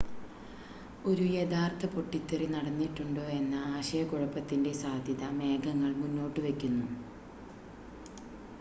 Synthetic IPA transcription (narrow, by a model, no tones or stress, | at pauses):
o̞ɾujed̪aːrt̪ʰɐpoʈːit̪ːɐrinɐɽɐnːiʈːuɳɖoːe̞nːɐaːɕɐjɐkuɻɐpːɐt̪ːinde̞saːd̪ʱjɐðɐme̞ːɡɐŋːɐɭmunːo̞ːʈːɨʋekʲːunːu